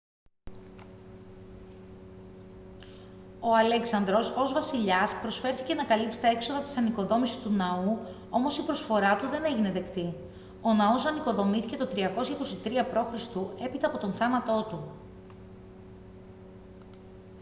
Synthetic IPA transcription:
o̞ɐle̞ksɐnd̪ɾo̞so̞zvɐsiʎɐspɾo̞sfe̞ɾθice̞nɐkɐlipsi̥t̪ɐe̞kso̞ðɐt̪i̥sɐniko̞ðo̞misist̪unɐu | o̞mo̞sipɾosfo̞ɾɐt̪uðe̞ne̞ʝine̞ðe̞kt̪i | o̞nɐo̞sɐniko̞ðo̞miθice̞t̪o̞t̪ɾiɐko̞sçɐiko̞sit̪ɾiɐpɾo̞xɾist̪ue̞pit̪ɐːpo̞t̪o̞nθɐnɐt̪o̞t̪u

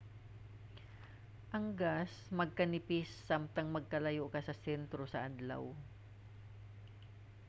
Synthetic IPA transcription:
ʔɐŋɡasmɐɡ̚kɐnɪpɪsːamt̪ɐŋmɐɡ̚kɐlɐjoʔkɐsɐsɛnt̪ɾosɐʔad̪la̰w

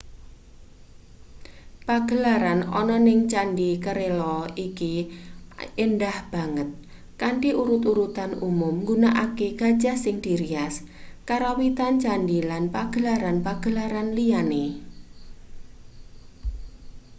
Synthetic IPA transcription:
paɡ̥ə̤laɾanɔ̰nɔnɪŋt͡ʃaɳɖikəɾelɔiki | enɖahb̥a̤ŋət̪̚ | kaɳʈiʔuɾut̪uɾut̪anumʊmŋɡunaʔakeɡ̥a̤̥d͡ʒa̤sɪŋd̪̥iɾiaskaɾowit̪ant͡ʃaɳdilanpaɡ̥ə̤laɾanpaɡ̥ə̤laɾanliane

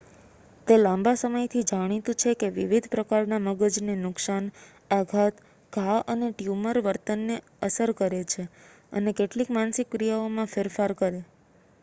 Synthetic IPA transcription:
t̪elãmbasəməjt̪ʰid͡ʒaɽ̃it̪ũt͡ʃʰekeʋiʋid̪ʱpɾəkaɾnaməɡəd͡ʒnenʊksan | aɡʱat̪ | ɡʱaʔəneʈjuməɾʋəɾt̪ənːe | əsəɾkəɾet͡ʃʰe | ə̰nekeʈlikmansɪkːɾijaomãfeɾfaɾkəɾe

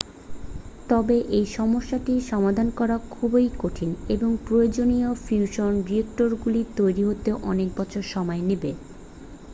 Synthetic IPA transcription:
t̪ɔbeʔejʃɔmoʃːaʈiʃɔmad̪ʱankɔɾakʰubejkoʈʰineboŋpɾojod͡ʑoniofjuʃonɖiek̚ʈoɾɡulit̪ojɾiɦot̪eʔɔnek̚bɔt͡ɕʰoɾʃɔmɔenebe

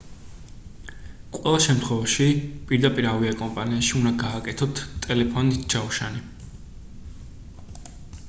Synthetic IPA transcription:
qʼwɛlˠaʃɛmt̪ʰχwɛvaʃipʼiɾd̪apʼiɾaviakʼɔmpʼaniaʃiund̪aɡaːkʼɛt̪ʰɔt̪ʰt̪ʼɛlɛpʰɔnisd͡ʒauʃani

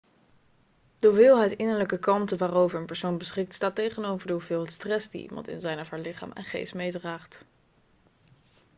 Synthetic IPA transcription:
d̥əuvɪːlˠɦɛjtɪnəɹləkəkɑntəʋaːrowvəɹənpɛɹsownbəsχɪk̚tstaːtejχənowvəɹdəɦuvɪːlˠɦtstrɛsdḭʔḭmɑ̰ntɪ̰nzɛjnəvaɹlɪχa̰ːmʔɛ̰nχḛjstmejdraːχt

